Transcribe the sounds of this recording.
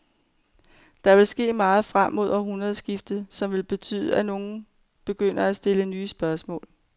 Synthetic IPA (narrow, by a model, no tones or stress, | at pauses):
d̥ɑ̈ʋe̝lsɡ̥e̝̰ːmɑ̈ːð̞̩ˠfʁam̰ːo̝ð̞̰ˠɐɦunɐðˠsɡ̥ifd̥ð̩ˠsɒ̽mʋe̝lb̥e̝t͡sʰy̰ːðˠəæno̝ːn̩ | b̥e̝ɡ̥øn̰ɐæsd̥e̝lənyːsb̥ɶɐsmɔ̰̽ːl